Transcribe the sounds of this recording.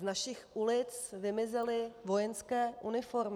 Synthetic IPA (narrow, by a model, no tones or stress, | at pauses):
naʃɪxʔulɪt͡svɪmɪzɛlɪvo̞jɛnskɛːʔunɪfo̞ɾm